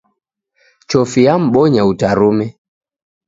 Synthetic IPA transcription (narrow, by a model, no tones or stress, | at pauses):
t͡ʃɔfijam̩ɓɔɲautaɾumɛ